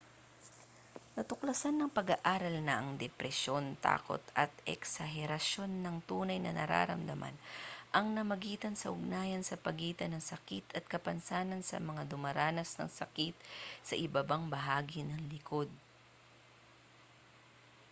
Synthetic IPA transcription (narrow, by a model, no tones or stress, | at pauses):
nɐt̪ʊklɐsanːɐŋpɐɡaʔaːɾɐlnɐʔɐŋd̪ɛpɾɛʃjo̞nt̪a̰ːko̞̰t̪ʔɐt̪ʔɛ̰ksɐɦɛɾɐso̞nːɐŋt̪uːnɐjnɐ̰nɐ̰ɾa̰ːɾɐ̰md̪ɐmʔa̰nʔɐŋnɐmɐɡiːt̪ɐnsɐʔʊɡ̚naːjɐnsɐpɐɡiːt̪ɐnɐŋsɐkit̪ɐt̪̚kɐpɐnsaːnɐnsɐ̰mɐŋad̪ʊmɐɾaːnɐsnɐ̰ŋsɐkit̪̚sɐʔɪbɐbaŋbɐɦaːɡinɐŋlɪko̞d̪̚